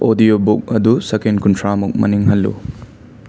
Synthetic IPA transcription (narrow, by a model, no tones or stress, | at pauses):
odijobuk̚ɐdusekenkuntʰɾamuk̚mɐ̰niŋɦɐlːṵ